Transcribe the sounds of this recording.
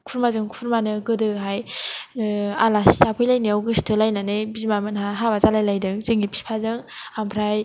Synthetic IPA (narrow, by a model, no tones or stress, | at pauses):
kʰuɾmazɯŋkʰuɾmanɯɡɯdɯɦaj | alassapʰɯjlajniawɡɯstʰɯlajnanɯbizimamɯnɦaɦaβazalajlajdɯŋzɯŋipʰi̥pʰazɯŋampʰɾaj